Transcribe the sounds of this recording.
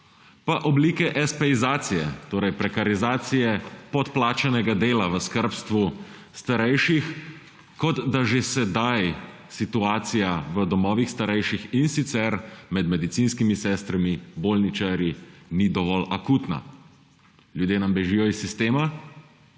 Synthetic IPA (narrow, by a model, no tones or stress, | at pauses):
paʔɔbliːkɛʔɛspɛizaːt̪sijɛ̰t̪oːɾɛjpɾɛkaɾizaːt̪sijɛpɔt̪plaːt͡ʃɛnɛɡad̪eːlaʋəskəɾpst̪ʋu | st̪aɾɛjʃix | kɔd̪d̪aʒesɛd̪aj | sit̪uaːt̪sijaʋəd̪ɔmɔːʋixst̪aɾɛjʃixinsit̪sɛɾmɛd̪mɛd̪it̪siːnskimisɛːst̪ɾamibolnit͡ʃaɾjinid̪ɔʋɔlakuːt̪na̰ | ljud̪jeːnambɛʒiːjɔisːist̪eːma